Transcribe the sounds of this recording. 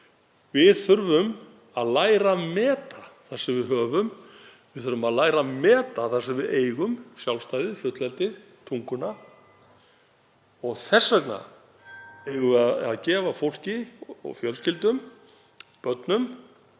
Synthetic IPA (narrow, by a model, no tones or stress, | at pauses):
vɪðθʏɾvʏm | aðlaːjɾamɛːt̪aθḁsɛmvɪðɦœːvʏm | vɪðθʏɾvʏmaðlaːjɾamɛːt̪aθasɛmvɪðeːjɣʏmsjawlst̪aːjðɪfjʏt̪lɛlt̪ɪɾ̥ | t̪ʰuŋkʏna | ɔɣθɛsːœkna̰ | ejɣʏaða̰ðcɛːvafowl̥cɪɔ̰ɣfjœlscɪlt̪ʏm | pœt̪nʏm